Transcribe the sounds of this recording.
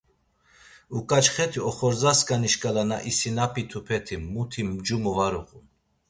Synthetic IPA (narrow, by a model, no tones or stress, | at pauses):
ukʼat͡ʃχɛt̪ʰiɔχɔɾzaskʼaniʃkʼalana̰ʔisinapʰit̪ʰupʰɛt̪ʰimːut̪ʰimd͡ʒumuvaɾuqʼun